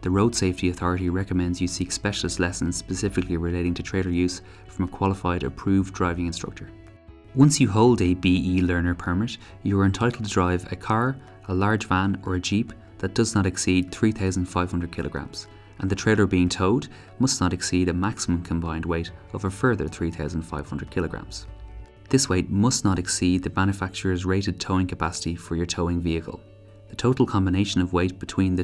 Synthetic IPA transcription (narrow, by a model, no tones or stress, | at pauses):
ðəɹoʊd̥seɪftiəθɔɹəɾiɹɛkəmɛ̃ndzjəsikspɛʃəl̩əstˡlɛsə̃nz̥spəsɪfɪkliɹɪleɪɾɪ̃ŋtʰətʰɹ̥eɪlə˞jʉːz̥ | fɹʌ̃məkʰw̥ɑlˠɪfaɪɾə̰pʰɹ̥ʉːvdɹaɪvɪ̃ŋɪ̃nstɹ̥ʌ̰k̚t͡ʃə˞ | wʌ̃nsjəɦoʊlˠdəbiilɜ˞nə˞pʰə˞mɪt | jəə˞ɛ̃ntʰaɪɾˡl̩ˠtʰədɹaɪvə̰kʰaːɹ | əlaɹd͡ʒvãnə˞əd͡ʒip | ðət̚d̥ʌznəɾɛksid̪̚θɹiːθaʊzə̃n̩d̥faɪv̥hʌ̃ndɹəd̚kʰɪlʔəɡɹã̰mz̥ | ʔə̃nðətʰɹ̥eɪlə˞biːɪ̃ŋtʰoʊd | mʌsnəɾɛksiːɾəmaksəmə̃mkʰə̃mbãɪ̃ndweɪɾoʊvə˞fɜ˞ðə̰˞θɹiːθaʊzə̃n̩d̥fa̰ɪv̥hʌ̃ndɹəd̚kʰɪləɡɹã̰mz̥ | ðɪsweɪt̚mʌsnəɾɛksiːd̪̚ðəmãnjəfak̚t͡ʃəɹəzɹeɪɾɪd̚tʰoʊɪ̃ŋkʰəpʰasə̥tifə˞jə˞tʰoʊɪ̃ŋviəkʰə̰lˠ | ðətʰoʊɾlˠkʰɑ̃mbɪneɪʃə̃nəvweɪt̚b̥ɪtʰw̥ĩnðə